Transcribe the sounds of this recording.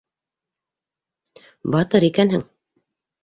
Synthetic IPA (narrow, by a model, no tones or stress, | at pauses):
bɑt̪ɤɾikænhɘŋ